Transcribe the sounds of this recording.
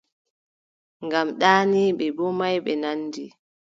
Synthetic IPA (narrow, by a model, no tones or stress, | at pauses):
ŋɡamɗaːniɓɛbɔmajɓɛnanːdi